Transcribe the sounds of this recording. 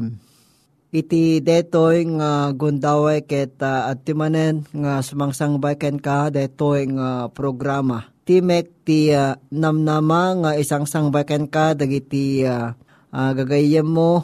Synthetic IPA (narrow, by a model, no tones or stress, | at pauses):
m | ʔit̪id̪ɛt̪ojŋaɡʊnd̪awajkɛt̪aat̪ːimanɛnŋasʊmaŋsaŋbajkɛnkad̪ɛt̪ojŋapɾoɡɾamat̪imɛk̚t̪ianamnamaŋaisaŋsaŋbajkɛnkad̪aɡit̪ia | aɡaɡajanːo